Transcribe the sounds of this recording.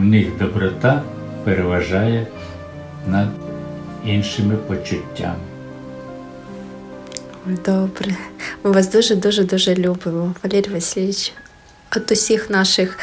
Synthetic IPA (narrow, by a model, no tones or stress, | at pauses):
wnɪxd̪ɔbɾɔt̪ɑ | peɾeʋɐʒɑjɛ | nɐd̪ | inʃɪmɪpɔt͡ʃʊtʲːa̰m | d̪obɾɛmɨʋasd̪uʒɛd̪uʒɛd̪uʒɛlʲubɪmɔʋɐlʲeɾʲʋɐsʲilʲit͡ʃ | ɐt̪ʊsʲixnɑʃɪx